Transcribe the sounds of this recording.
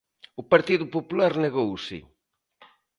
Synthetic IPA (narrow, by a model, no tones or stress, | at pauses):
ʊpaɾt̪iðʊpopulaɾneɣowsɪ̰